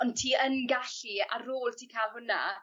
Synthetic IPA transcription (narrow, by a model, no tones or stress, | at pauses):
ɔntʰiːənɡaɬia̰ɾoːlˠtʰiːkʰaːlˠhʊna̰